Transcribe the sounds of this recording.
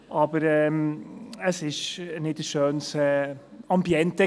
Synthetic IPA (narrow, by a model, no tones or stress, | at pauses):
ʔɑbəɾɛməsɪʃnɪtəsʃøːnsɛɑmbjɛntə